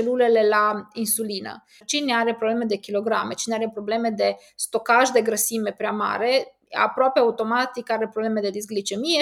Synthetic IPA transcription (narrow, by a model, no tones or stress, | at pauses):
t͡ʃelulɛlelainsulina̰ | t͡ʃinɛaɾepɾoblemed̪ekiloɡɾa̰met͡ʃinɛaɾɛpɾoblemed̪e | st̪okaʒd̪eɡɾəsimepɾʲjama̰ːɾe | a̰pɾopɛaut̪omat̪ikaɾɛpɾoblemed̪ed̪izɡlit͡ʃemijɛ